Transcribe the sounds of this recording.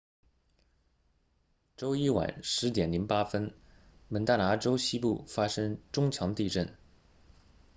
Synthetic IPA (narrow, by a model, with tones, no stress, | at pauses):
ʈ͡ʂo˥ʊi˥wa̰˨˩˦nʂɻ̩˧˥t̪̬jɛ˨˩nli˧˥npa˥fə˥nmə˧˥nt̪a˥˩na˧˥ʈ͡ʂo˥ʊɕi˥pṵ˥˩fa˥ʂɤ˥ŋʈ͡ʂʊ˥ŋt͡ɕʰjɑ˧˥ŋt̪i˥˧ʈ͡ʂə̰˥˩n